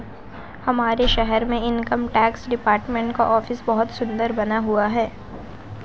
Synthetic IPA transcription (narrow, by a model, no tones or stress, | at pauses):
hɐmaːɾeʃɛɦɛɾmẽɪnkəmʈɛːksɖɪpaːɾʈmẽɳʈka̰ʔɔːfɪsbɐɦʊt̪sʊ̃nd̪əɾbɐnaɦuaɦɛː